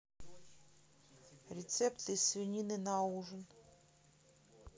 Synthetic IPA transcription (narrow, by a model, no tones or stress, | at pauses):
ɾʲɪt̪sɛpt̪ɨisvʲɪnʲinɨnauʐən